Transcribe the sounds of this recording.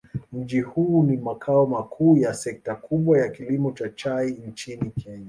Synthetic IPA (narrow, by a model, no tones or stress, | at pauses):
m̩d͡ʒihuːnimakʰaɔmakʰuːjasɛk̚takuɓwajakilimɔt͡ʃat͡ʃaint͡ʃinikʰɛɲa